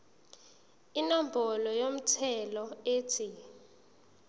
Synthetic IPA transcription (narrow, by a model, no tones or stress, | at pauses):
inambʱɔlɔjom̩tʰɛlɔeːtʰi